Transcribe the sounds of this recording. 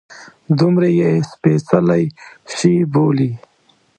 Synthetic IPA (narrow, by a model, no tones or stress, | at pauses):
d̪umɾejespesɐlajʂiboːli